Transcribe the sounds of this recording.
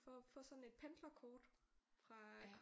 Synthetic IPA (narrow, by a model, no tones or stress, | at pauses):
fɒfɒ̽sɒ̽nn̩e̝d̥̚pʰend̥lɐkʰɒːd̥fʁɑ̈